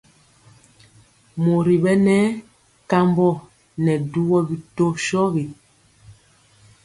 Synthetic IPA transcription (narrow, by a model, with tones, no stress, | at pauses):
mo˨ɾi˨ɓɛ˦nɛ˦ | ka˦mbɔ˦˨ | nɛ˨du˦ɣɔ˦bi˨to˦ʃɔ˦ɣi˨